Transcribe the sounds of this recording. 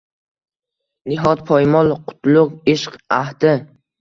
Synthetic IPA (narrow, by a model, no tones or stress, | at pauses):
nɪɦɒt̪̚pʰɒjmɒlˠqʰʊ̥t̪ʰlˠʊqɪʃqaht̪ɪ